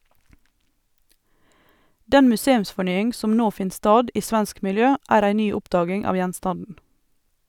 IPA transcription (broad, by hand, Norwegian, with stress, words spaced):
ˈdɛn mʉˈseːʉmsfɔˌɳyːɪŋ ˈsɔm ˈnoː ˈfɪn ˈstɑːd ˈiː ˈsʋɛnsk mɪlˈjøː ˈæːɾ ˈæɪ ˈnyː ˈʊpdɑːɡɪŋ ˈɑːʋ ˈjɛnstɑndn̩